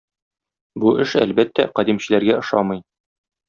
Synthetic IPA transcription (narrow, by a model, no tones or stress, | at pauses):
buʔɘʃæ̰lbæt̪ːæ̰qɒd̪imɕɘ̆læɾɡæɤ̆ʃɑmɤ̆j